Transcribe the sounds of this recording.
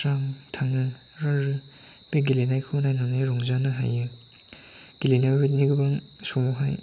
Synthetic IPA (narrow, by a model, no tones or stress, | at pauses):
ɾamtʰanɯɾaɾɯbeɡilenajkʰɯnajnaŋeɾɔŋzanɯɦa̰jɯ | ɡ̥ilenabet̚niɡɯbaŋsɔnɯɦaj